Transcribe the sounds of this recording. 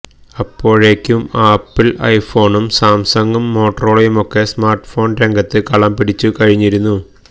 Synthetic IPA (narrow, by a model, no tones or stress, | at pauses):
ɐpːo̞ːɻeːkʲːumaːpːilɐ̰jfo̞ːɳumsaːmsɐŋɡɐmːo̞ːʈːɐroːɭɐjumo̞kːe̞smaːrʈfo̞ːnɾeŋɡɐt̪ːɨkɐɭɐmpiɽit͡ɕːukɐɻiɲːiɾunːu